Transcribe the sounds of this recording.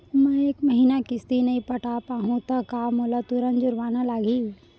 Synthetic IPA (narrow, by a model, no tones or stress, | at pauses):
mɛ̃eːkmɐɦiːnakɪst̪inɐĩpɐʈapaːɦũt̪ɐkaːmoːlat̪uɾənd͡ʒʊɾʋaːnalaːɡiː